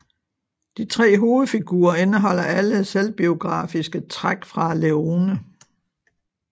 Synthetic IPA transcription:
d̥it͡sʰʁɛ̰ːɦo̝ːð̩ˠfiɡ̥ṵːɐe̝nəɦɒ̽l̰ɐʔæləselb̥io̝ɡ̥ʁɑ̰̈ːfisɡ̥ət͡sʰʁaɡ̥fʁɑ̈leo̝ːnə

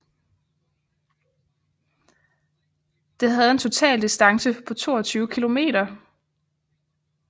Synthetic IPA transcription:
d̥e̝ɦæð̞̩ˠe̝nt͡sʰo̝t͡sʰɛ̰ːld̥isd̥ɑ̈ŋsəpʰɒ̽t͡sʰo̝̰ːɒt͡sʰyːʊəkʰilo̝me̝̰ːɾɐ

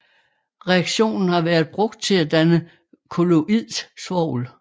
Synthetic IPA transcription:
ʁɛɑɡ̥ɕo̝̰ːnn̩hɑ̈ʋæːɐð̞ˠb̥ʁɔ̽ɡ̥̚d̥̚t͡sʰe̝læd̥ænə | kʰo̝lo̝ʔið̰ˠssʋɒʊ̰l

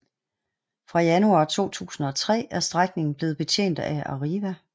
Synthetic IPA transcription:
fʁɑ̈jænuɑ̈ːt͡sʰo̝̰ːt͡sʰṵːsn̩ɒ̽t͡sʰʁɛ̰ːæɐsd̥ʁaɡ̥ne̝ŋn̩b̥le̝ːð̩ˠb̥e̝t͡ɕʰḛːn̰d̥æɑ̰ʁiʋæ

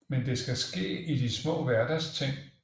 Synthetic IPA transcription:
mend̥e̝sɡ̥æsɡ̥e̝̰ːid̥ismɔ̰̽ːʋæɐd̥æst͡sʰe̝ŋ̰

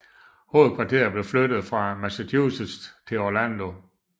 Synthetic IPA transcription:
ho̝ːð̩ˠkʰʋɑ̈t͡sʰe̝̰ɐb̥le̝flød̥ð̞̩ˠfʁɑ̈mæsæt͡sʰṵːsəst͡sʰe̝ɒlænd̥o̝

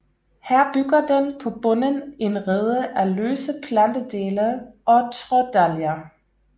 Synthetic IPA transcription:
hæɐ̰b̥yɡ̥ɐd̥enpʰɒ̽b̥ɔ̽nəne̝nʁɛð̞ˠəʔæløːsəpʰlænd̥əd̥e̝ːləʔɒ̽t͡sʰʁɔd̥æljɐ

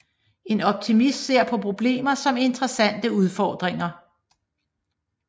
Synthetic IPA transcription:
e̝nɒ̽b̥̚t͡sʰimisse̝ɐ̰pʰɒ̽pʰʁo̝b̥le̝̰ːmɐsɒ̽me̝nd̥ʁɐsæn̰d̥əuð̞ˠfɒːd̥ʁeŋɐ

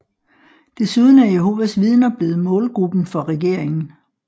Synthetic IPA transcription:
d̥e̝suð̞ˠn̩æɐjeɦo̝ːʋæsʋiðˠnɐb̥le̝ːð̞̩ˠmɔ̽ːlɡ̥ʁub̥n̩fɒ̽ʁɛɡ̥e̝ɐ̰eŋn̩

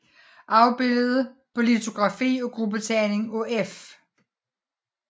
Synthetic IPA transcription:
ʔɑ̈ʊb̥e̝l̰ð̞ˠəpʰɒ̽lit͡sʰo̝ɡ̥ʁɑ̈fḭːɒ̽ɡ̥ʁubət͡sʰɛne̝ŋoef

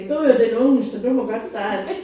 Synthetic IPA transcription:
ɡ̥o̰ːjod̥enɔ̽ŋ̩sɒ̽md̥umɒɡ̥ɒ̽d̥sd̥ɑ̈ːd̥

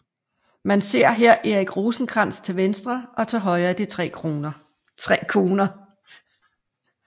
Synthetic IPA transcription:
mænse̝ɐ̰ɦeɐ̰ʔe̝ɐiɡ̥ʁoːsn̩ɡ̥ʁɑ̈n̰st͡sʰe̝lʋensd̥ʁɐʔɒ̽t͡sʰɑɦɒ̽ɪæd̥it͡sʰʁɛ̰ː | t͡sʰʁɛːkʰo̝ːnɐ

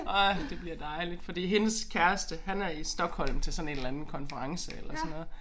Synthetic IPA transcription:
ʔɑɪd̥e̝b̥liɐd̥ɑ̈ɪlid̥fɒ̽d̥ḭːɦe̝nəskʰæɐsd̥əhænæɐisd̥ɒ̽ɡ̥hɒ̽l̰mt͡sʰe̝lsɒ̽ne̝ːnlænn̩kʰɒ̽nfəʁɑ̈ŋsəelɐsɒnːɔ̽ːð̩ˠ

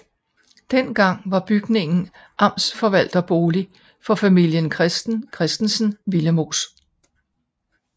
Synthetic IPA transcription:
d̥en̰ɡ̥ɑ̈ŋ̰ʋɑ̈b̥yɡ̥ne̝ŋn̩ | ʔɑ̈m̰sfɒ̽ʋæl̰d̥ɐb̥o̝ːli | fɒ̽fæmil̰jənkʰʁɛsd̥n̩kʰʁɛsd̥n̩sn̩ʋiləmo̝ːs

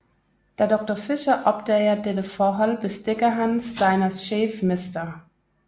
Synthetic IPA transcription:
d̥eːɐdɔk̚tofɪʃɐʔɔptɐeɐdedəfɔɦɔlbɪstɪkɐɦansz̥aɪnɐsʃeːfmɪstɐ

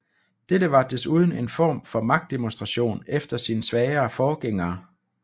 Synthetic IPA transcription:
d̥edəʋɑ̈d̥e̝suːð̞ˠn̩e̝nfɒ̰ːmfɒ̽mɑ̈ɡ̥̚d̥e̝monsd̥ʁɑ̈ɕo̝̰ːnefd̥ɐsiːnəsʋɛːɐːfɒːɡ̥eŋ̰ɐː

